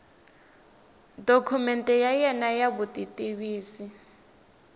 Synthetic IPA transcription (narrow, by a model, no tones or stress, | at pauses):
dokʰumɛntʼɛjajɛnajaβutʼitʼiβiːsi